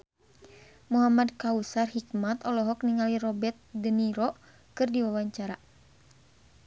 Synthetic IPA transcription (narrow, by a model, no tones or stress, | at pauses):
muɦamad̚kausarhikmat̪ɔlɔɦɔkniŋaliɾɔbɛt̪̚dəniɾɔ | kɨrdiwawaɲt͡ʃaɾa